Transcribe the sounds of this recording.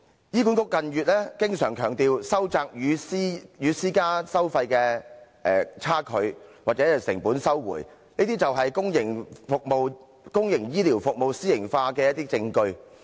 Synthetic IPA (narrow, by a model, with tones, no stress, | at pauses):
jiː˥ku˨˥nkʊ˧˥kːɐ˨njyː˨t̚lɛː˥kɪ˥ŋsœː˨˩ŋkʰœː˨˩ŋt̪iː˨˧wsɐ˥wt͡saː˧k̚jyː˨˧siː˥jyː˨˧siː˥kaː˥sɐ˥wfɐ˧jkɛː˧ | ɛː˨t͡sʰaː˥kʰɵ˨˧ɥwaː˨k̚t͡sɛ˨˦˥sɪ̰˨˩ŋpuː˨˥nsɐ˥wwṵː˨˩jniː˥t̪iː˥t͡sɐ˨wɦɐ˨jkʊ˥ŋjɪ˨˩ŋfʊ˨k̚mo˨w | kʊ˥ŋjɪ˨˩ŋjiː˥liː˨˩wfʊ˨k̚mo˨wsiː˥jɪ˨˩ŋfaː˧kɛ˧jɐ˥t̪̚iː˥t͡sɪ˧ŋkɵ˧ɥ